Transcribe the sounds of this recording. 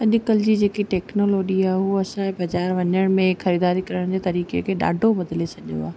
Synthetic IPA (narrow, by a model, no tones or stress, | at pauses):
ɐɗʊkəld͡ʑiːd͡ʑeːkiʈɛːknoːloːd͡ʒiaːɦɦuɐsãẽbɐd͡ʑaːɾʋɐɲəɽ̃mẽxɐɾiːd̪aːɾikɐɾəɽ̃d͡ʑeːt̪ɐɾiːkḛkʰeːɗa̰ːɖʱobɐd̪ɪlet͡ɕʰɐʄjo̰a̰ː